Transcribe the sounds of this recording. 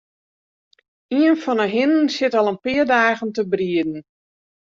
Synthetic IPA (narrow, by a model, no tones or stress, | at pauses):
iənfɔnəɦɪnənsɪtɔlˠənpɪərdaːɣəntəbriədn̩